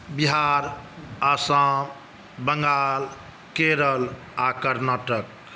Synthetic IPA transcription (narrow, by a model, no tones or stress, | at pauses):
biɦaɾasam | bəŋɡal | keɾəl | akəɾnaːʈək